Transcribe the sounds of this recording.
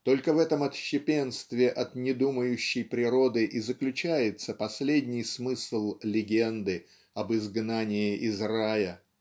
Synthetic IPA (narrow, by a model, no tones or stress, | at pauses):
t̪o̞lʲkəvɛt̪əmɐt̪ɕːɪpʲenst̪vʲɪʔɐt̪nʲɪd̪uməjʉɕːɪjpɾʲɪɾo̞d̪ɨʔɪzəklʲʉt͡ɕæjɪt̪səpɐsʲlʲedʲnʲɪjsmɨsl̩ˠlʲɪɡʲend̪ɨ | ɐbɨzɡnanʲɪɪʔɪzrajə